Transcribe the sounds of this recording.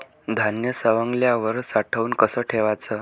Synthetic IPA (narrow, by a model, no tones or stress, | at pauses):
d̪ʱanjəsəʋəŋɡljaʋəɾsaʈʰəuːnkəsəːʈʰeʋat͡səː